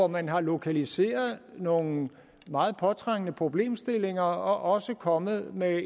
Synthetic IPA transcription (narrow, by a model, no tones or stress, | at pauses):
ɒmænɦɑ̈lo̝kʰælise̝̰ːɐðˠno̝ːŋ̩ | mɑ̈ːð̩ˠpʰɒ̽t͡sʰʁaŋ̰ənəpʰʁo̝b̥le̝̰ːmsd̥e̝le̝ŋɐɒ̽ʔɒ̽səkʰɒ̽mð̞̩ˠme